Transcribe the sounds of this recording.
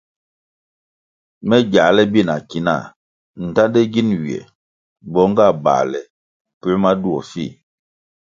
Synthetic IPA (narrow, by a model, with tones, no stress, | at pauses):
mɛ˦ɟa˨˦lɛ˦bi˦˨na˨ki˨˦na̰˦˨ | n̩˨ta˦de˦ɡi˦nwi˨ɛ̰˨ | bɔ˨˦ŋɡa˦˨ba̰˨lɛ˨ | pɛ˦ma˦du˦ɔ˨fḭ˦˨